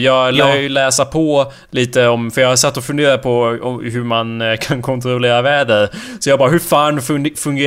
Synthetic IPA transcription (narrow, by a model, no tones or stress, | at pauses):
jɑːɡlæːɡjlɛːsapʰɔ | liːt̪əɔmfœɾjɑːhasɛt̪ːɔfɵnd̪eːɾad̪̚pʰɔɔɦɵmankʰankʰɔnt̪ɾɔleːɾavɛːd̪ɛsɔjɑɡbɑːɾɦɵfaːnfɵŋɡ